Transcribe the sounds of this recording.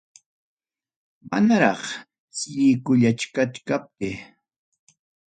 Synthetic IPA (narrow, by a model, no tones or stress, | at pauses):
ma̰naɾɑχ | sɪkʊʎat͡ʃkat͡ʃkap̚t̪ɪ